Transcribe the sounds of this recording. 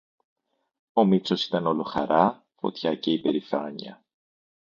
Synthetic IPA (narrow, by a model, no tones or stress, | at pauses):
o̞mit͡so̞si̥t̪ɐno̞lo̞xɐ̰ɾɐ | fo̞̰t̪çɐce̞ibe̞ɾifɐɲɐ̰